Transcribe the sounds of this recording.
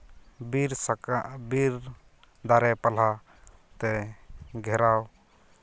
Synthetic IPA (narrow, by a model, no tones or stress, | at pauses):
biɾsakbiɾ | d̪aɾɛpɐl̤a | t̪ɛɡʱɛɾaw